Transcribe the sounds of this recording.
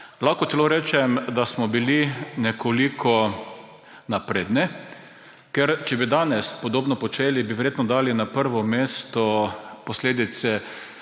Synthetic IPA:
laxkɔt̪ɛloːɾɛːt͡ʃɛmd̪asmɔbilinɛkʰolikʰɔ | napɾeːd̪nɛ | kɛɾt͡ʃɛbid̪aːnɛspɔd̪oːbnɔpɔt͡ʃeːlibiʋɛɾjeːt̪nɔd̪aːlinapəɾʋɔmeːst̪ɔpɔsleːd̪it̪sɛ

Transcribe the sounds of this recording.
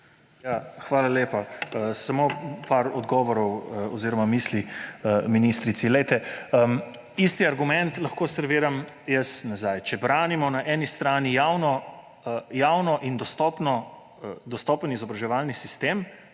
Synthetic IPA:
jaxʋaːlaleːpaəsamopaɾɔd̪ɡɔːʋɔɾɔwɔziːɾɔmamiːsliəminiːst̪ɾit̪silɛjt̪ɛəm | ist̪iaɾɡumɛnt̪lɐxkoːsəɾʋiːɾam | jəsnazajt͡ʃɛbɾaːnimɔnaʔɛːnist̪ɾaːnijaːwnɔ | jaːwnɔʔind̪ɔst̪ɔpnɔ | d̪ɔst̪ɔːpənizɔbɾaʒɛʋaːlnisist̪em

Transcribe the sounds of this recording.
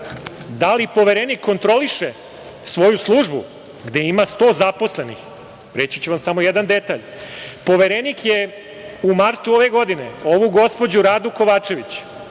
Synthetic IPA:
d̪alipo̞ʋeɾenikʰːo̞nt̪ɾo̞liʃe | sʋo̞juslˠuːʒbṵ | ɡd̪e̞imast̪o̞ːzapo̞sle̞nḭx | ɾe̞t͡ɕit͡ɕuʋamsamojed̪and̪e̞t̪aːʎ | po̞ʋeɾenikje̞ | umaɾt̪uo̞ʋe̞ɡo̞d̪ine̞̰o̞ʋuɡo̞spo̞d͡ʑuɾaːd̪uko̞ʋaːt͡ʃe̞ʋit͡ɕ

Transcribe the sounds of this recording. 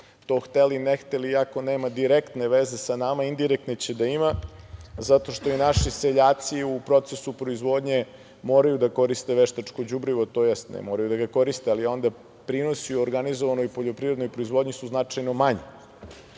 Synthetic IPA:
t̪o̞ːxt̪elinext̪eliako̞neːmad̪iɾekt̪ne̞ʋeze̞sanamaind̪iɾek̚t̪net͡ɕed̪aima | zat̪o̞ʃt̪o̞inaʃise̞ʎaːt̪siupɾo̞t̪sesupɾo̞izʋo̞ːd̪ɲe | mo̞ːɾajud̪ako̞ɾist̪e̞ʋeʃt̪at͡ʃko̞d͡ʑubɾiʋot̪o̞ːjest̪nɛ̰mo̞ːɾajud̪aɡako̞ɾist̪ealio̞nd̪a | pɾino̞siuoɾɡanizoʋanojpo̞ʎo̞pɾiɾed̪nojpɾoizʋo̞d̪ɲisuznat͡ʂajno̞maɲe

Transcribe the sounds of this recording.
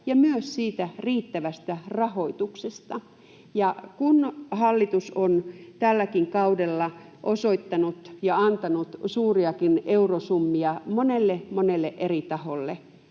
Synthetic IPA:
jɑmyøssiːt̪æriːt̪ːæʋæst̪ærɑhoit̪uksest̪ɑ | jɑkunhɑlːit̪usont̪ælːækiŋkɑudelːɑ | ʔosoit̪ːɑnut̪jɑɑnt̪ɑnut̪suːriɑkineurosumːiɑmonelːemonelːeʔerit̪ɑholːe

